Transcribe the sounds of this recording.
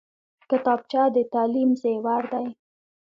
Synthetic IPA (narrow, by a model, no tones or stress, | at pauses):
kət̪ɑb̚t͡ʃɑd̪ət̪ɑlimzewaɾd̪aj